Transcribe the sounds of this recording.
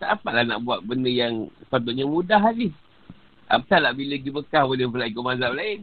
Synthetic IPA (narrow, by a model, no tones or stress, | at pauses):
t̪aʔpaʔlahna̰ʔbuat̪̚bəndəjaŋspat̪̬uʔɲamudaɦali | a̰pət̪alaʔbiləɡibəkahwoləvəlaikomazamlaɪn